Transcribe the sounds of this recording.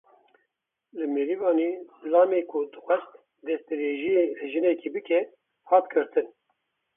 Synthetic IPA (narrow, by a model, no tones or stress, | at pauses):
lɨmeɾivɑːniːlɑːmeːkʰʊd̪ɨxʷɛst̪ | d̪ɛst̪ɨɾeːʒijelɨʒɨnɛkʰibɨkʰɛ | hɑːt̪kʰɨɾt̪ʰɨn